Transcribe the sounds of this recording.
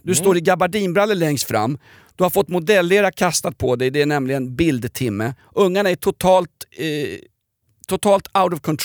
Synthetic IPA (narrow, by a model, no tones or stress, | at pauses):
d̪ɵst̪oːɾɪɡabaɖiːnbɾalːəlɛŋst̪fɾa̰mː | d̪̥ɵhaɾfɔt̪ːmʊd̪ɛlːeːɾakʰast̪at̪̚pʰɔd̪ɛjd̪ɛæɳɛmlɪɡənbɪld̪t̪ʰɪmːə | ʔɵŋːaɳaæʈʰʊt̪ʰɑːlt̪ | t̪ʰːʊt̪ʰɑːlt̪aʊt̪ɔvkʰɔnt̪ʰ